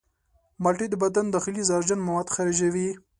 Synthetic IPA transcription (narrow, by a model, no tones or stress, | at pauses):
malʈid̪əbad̪and̪ɑxɪlizɑɾd͡ʒanmawad̪xaɾeʒawi